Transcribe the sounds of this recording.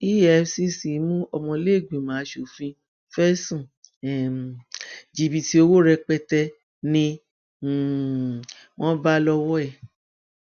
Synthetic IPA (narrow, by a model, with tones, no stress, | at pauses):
i˦ɛ˨˧si˦si˨˦mũ˦ɔ˧mɔ̃˧le˦˨ɡĩ˨mãː˨˦ʃo˨fĩ˧ | fɛ˦sũ˨ɛ˨ | d͡ʒi˧bi˧ti˦o˧wo˦ɾɛ˧k͡pɛ˧tɛ˧ | nĩ˧˨ | wɔ̃˦ba˦lɔ˧wɔ˦ɛ˦˨